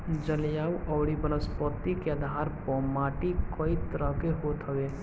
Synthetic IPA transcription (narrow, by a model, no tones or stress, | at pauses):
d͡ʒəljaːwʔɔːɽibənəspət̪ːikeəd̪ʱaːɾpɔmaːʈikəit̪əɾəɦkeɦoːt̪ɦəweː